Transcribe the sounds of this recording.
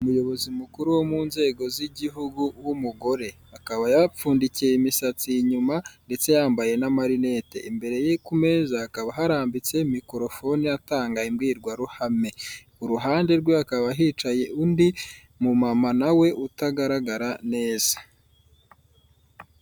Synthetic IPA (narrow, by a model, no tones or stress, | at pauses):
umujo̞βo̞zimukuɾuwo̞munze̞ːɡo̞ziɟiɦuɡuwumuɡo̞ɾe̞hakaβajap͡fuːndicieimisat͡sijiɲumande̞t͡se̞jaːmbaje̞namaɾine̞te̞̰imbe̞ɾe̞jekume̞zahakaβaɦaɾaːmbit͡se̞mikoɾo̞fo̞niataːŋɡaimɡiːɾɡwaɾuhame̞ | uɾuɦaːnde̞ɾɡweakaβaɦiːt͡ʃaje̞ʔundi | mumamanawe̞ʔutaɡaɾaɡaɾane̞ːz̥ḁ